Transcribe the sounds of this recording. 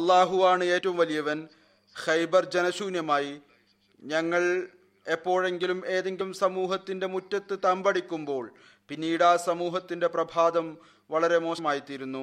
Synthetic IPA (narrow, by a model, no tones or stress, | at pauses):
ɐlˠːaːɦuʋaːɳɨe̞ːtːɐʋumʋɐlijɐʋɐn | xɐjbɐrd͡ʑenɐɕuːnjɐmaːji | ɲɐŋːɐɭ | e̞pːo̞ːɻe̞ŋɡilume̞ːðe̞ŋɡiumsɐmuːɦɐt̪ːinde̞mutːɐt̪ːɨt̪ɐmbɐɽikʲːumbo̞ːɭ | pinːiːɽaːsɐmuːɦɐt̪ːinde̞prɐbʱaːd̪ɐm | ʋɐɭɐɾe̞mo̞ːɕɐmaːjit̪ːiɾunːu